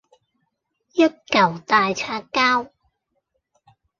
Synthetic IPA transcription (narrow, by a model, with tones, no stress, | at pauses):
jɐ˥t̚kɐ˨˩wt̪aː˨jt͡sʰaː˧kkaː˥w